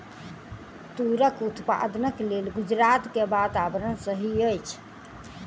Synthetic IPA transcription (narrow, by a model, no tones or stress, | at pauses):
t̪uɾəkut̪pa̰d̪nəklelɡud͡ʒɾat̪kebat̪abɾənsəɦiəjt͡ʃʰ